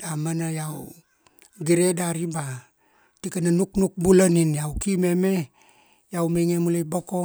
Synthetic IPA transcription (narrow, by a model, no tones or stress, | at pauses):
d̥amanajaw | ɡiɾedaɾiba | tikananuknuk̚bulaninjawkimeme | jawmeŋemulejboko